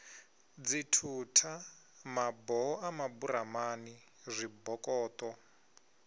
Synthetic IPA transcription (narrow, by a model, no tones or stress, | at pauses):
d͡zitʰutʰa | mabɔɔʔamabuɾamani | zʷibɔkʼɔːt̪ʼɔ